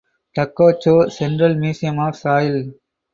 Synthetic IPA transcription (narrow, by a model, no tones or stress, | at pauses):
ʈɐkːoːt͡ʃːoːsɛnɖɾɐlmiːsɪjɐmaːfsaːjɪl